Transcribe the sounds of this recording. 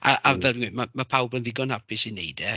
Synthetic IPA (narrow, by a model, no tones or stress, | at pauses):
aʔavɛlbinwimamapʰawbənðɪɡɔnapʰɪsinejdɛ